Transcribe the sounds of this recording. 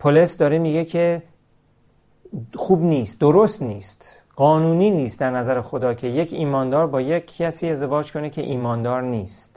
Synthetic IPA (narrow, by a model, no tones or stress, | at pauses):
pʰolesd̪ɒːɾemiːɡecʰe̞ | xuːbniːst̪̚d̪oɾost̪niːst̪ | ɢɒːnuːniːniːst̪̚d̪æɾnæzæɾexo̞d̪ɒːcʰe̞je̞cʰiːmɒːnd̪ɒːɾbɒːjecʰːæsiːe̞zd̪evɒːd͡ʒkʰo̞necʰe̞ʔiːmɒːnd̪ɒːɾniːst̪